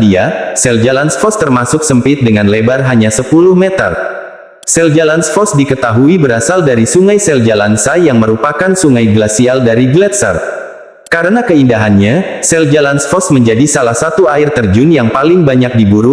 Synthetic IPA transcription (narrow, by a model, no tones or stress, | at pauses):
diasɛld͡ʒalansfɔst̪ərmasʊksəmpɪt̪̚dəŋanlebarɦaɲasəpulʊhmet̪ə̰r | sɛld͡ʒalansfɔsdikət̪aɦuibəɾasaldaɾisuŋajsɛld͡ʒalansajaŋməɾupakansuŋajɡlasialdaɾiɡlɛt̪sa̰r̚ | kaɾənakəindaɦanɲasɛld͡ʒalansfɔsməɲd͡ʒadisalahsat̪uaɪrt̪ərd͡ʒʊnjaŋpalɪŋbaɲak̚dibuɾu